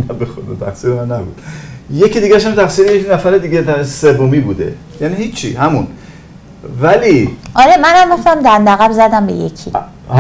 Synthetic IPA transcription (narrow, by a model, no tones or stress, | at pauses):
næbexod̪o̰t̪ʰæ̰xsiːɾemænːæbṵd̪̥jecʰiːd̪iːɡæʃ̬hæmt̪ʰæxsiːɾejeknæfæɾed̪iːɡet̪æsevːomiːbuːd̪e̞̰ | jænihiːt͡ʃʰːihæmun | væliʔɒɾemænæmːoxt̪æmd̪ænd̪æɣæbzæd̪æmbḛjḛcʰḭ